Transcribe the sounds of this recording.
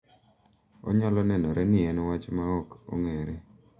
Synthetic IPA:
ɔ̰ɲɔlɔnɛnɔɾʔɛnɪɛnwat͡ʃmaɔko̰ŋeɾe

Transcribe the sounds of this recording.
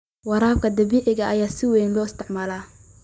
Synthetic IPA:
wɑɾaːb̚kʰɐd̪ɐβiːʕɪɣɐɐjaːsɪwɛjnlɔːɪst̪ʰɪʕmalaː

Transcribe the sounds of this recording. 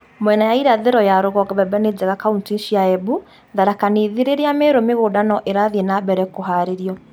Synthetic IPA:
mwɛnajaiɾaðeɾɔjaɾoɣɔɡβɛbɛned͡ʒɛɣakauntinʃiaɛbu | ðaɾakaneðeɾeɾeameɾomeɣodanɔʔeɾaðienabɛɾɛkoɦaɾeɾiɔ

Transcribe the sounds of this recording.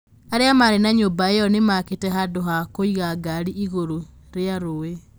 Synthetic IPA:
aɾeamaɾenaɲobaejɔnemaketɛɦadoɦakoiɣaɡaɾiʔiɣoɾo | ɾeaɾoe

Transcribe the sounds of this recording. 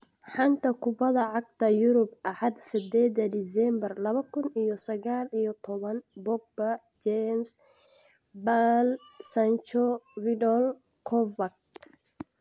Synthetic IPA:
ħɑnt̪ʰɐkʰʊbɐðɐʕɑɡ̚t̪ʰɐjʊɾʊbʔɐħɑd̪sɪd̪ɛːd̪ɐd̪ɪsɛmbɐrlɐβɐkʰʊnijɔsɐɣaːlijɔt̪ʰɔβɐnbɔɡ̚bɐ | d͡ʒɛms | balsɐnt͡ʃɔrɪdɔl | kʰɔvɐk̚

